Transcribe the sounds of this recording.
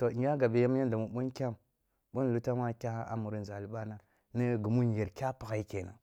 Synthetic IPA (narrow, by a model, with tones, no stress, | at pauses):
to˨˦a˦ɡa˨be˨ja˦m˦a˦n˦da˨mu˨ɓu˦nkʲa˦m | ɓu˦nlu˦ta˦ma˦kʲa˦a˦a̰˦mu˨ɾi˦n˨za˨li˦ɓa˦na˨ | ni˦ɡu˨mu˦n˨je˨ɾkʲa˦pa˨ɣa˦i˦ke˨na̰˨